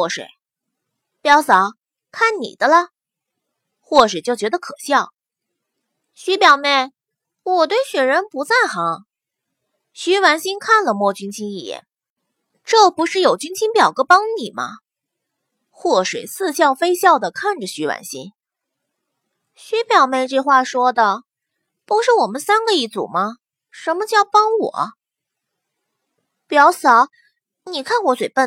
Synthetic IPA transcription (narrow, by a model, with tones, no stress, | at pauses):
wɔ˥˩ʂwḛ˧˩˦ɪ | pjɑ˧˥ʊsɑ˨˧˥ʊ | kʰa˥˩nnḭ˨˩d̪̥ə˦lə˧ | xwɔ˥˩ʂwɛ˨˩t͡ɕjo˥˩ʊt͡ɕɥɛ˧˥d̪ə˧kʰɤ˨˩ɕjɑ˥˩ʊ | ɕi˥pjɑ˨˩ʊmjɛ˥˩n | wɔ˨˩t̪we˥˩ɪɕɥɛ˨˩ɻə˧˥npu˧˥t͡sa˥˩ɪxɑ˧˥˦ | ɕy˧˥wa˧˥nɕi˥nkʰa˥˩nlə˩mwɔ˥˩t͡ɕy˥ŋt͡ɕʰi˥ni˥˩jɛ̰˥˩n | ʈ͡ʂɤ˥˩pu˧˥ʂɻ̩˥˩jo˨˩ʊt͡ɕy˥ŋt͡ɕʰi˥npjɑ˨˩ʊɡɤ˥pɑ˥ŋni˨˩mɐ̰˦ | xwɔ˥˩ʂwe˨˩ɪt͡sʰɹ̩˥˧ɕjɑ˥˩ʊfe˥ɪɕjɑ˥˩ʊd̪ə˩kʰa˥˩nʈ͡ʂə˨˩ɕy˧˥wa̰˧˥nɕḭ˥n | ɕy˧˥pjɑ˨˩ʊme˥˧ɪʈ͡ʂɤ˥˧xwa˥˩ʂwɔ˥d̪ə˨ | pu˧˥ʊʂɻ̩˥˩wɔ˨˩mə˦nsa˥nɡə˧i˥˩t͡sṵ˨˩mɐ˦ | ʂə˧˥nmə˧t͡ɕjɑ˥˩ʊpɑ˥ŋwɔ̰˨˩˦ | pjɑ˧˥ʊsɑ˧˥ʊ | ni˨˩kʰa˥˩nwɔ˧˥swe˨˩ɪpə˥˩